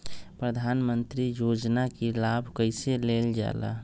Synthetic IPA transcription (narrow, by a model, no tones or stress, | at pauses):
pɾəd̪ʱanmənt̪ɾijod͡ʒnakelabʱkəɪseleld͡ʒa̰la̰